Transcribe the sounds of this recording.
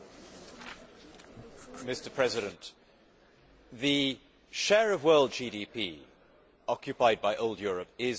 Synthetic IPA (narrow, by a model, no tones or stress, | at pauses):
mɪstə˞pʰɹ̥ɛzɪɾə̃nʔ | ðə | ʃɛːɹəvwɜːlˠd̚d͡ʒiːɾipʰḭː | ɒkjɨpaɪd̚baɪʔoʊlˠdjɔːɹəpɪz